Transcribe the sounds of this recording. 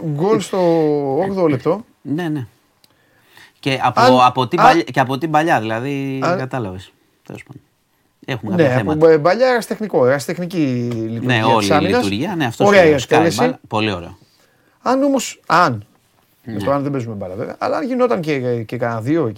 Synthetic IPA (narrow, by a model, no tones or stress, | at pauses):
ɡo̞lst̪o̞oɣðolep̚t̪o̞ | nene | ceʔɐpɐɐpot̪ibɐʎɐceɐpo̞t̪ibɐʎɐðilɐðikɐt̪ɐlɐves | θelospɐnd̪o | exumekne̞ɐempobɐʎɐeɣɐst̪exniko̞eɣɐst̪e̞xnicilit̪uɾneɐolisɐminɐst̪uɾʝiɐneɐft̪ooɾeɐiɐkt̪elesipo̞lio̞ɾḛo | ɐno̞mo̞sɐn | eft̪oɐnðebezumebɐʎɐvevɐɐ̰lɐɐnʝino̞t̪ɐncecekɐnɐðio